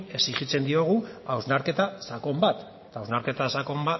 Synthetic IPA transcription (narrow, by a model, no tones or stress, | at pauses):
e̞siʝit͡se̞nd̪io̞ɣ̞uawznaɾke̞t̪asako̞mbat̪ | t̪awznaɾke̞t̪asako̞mba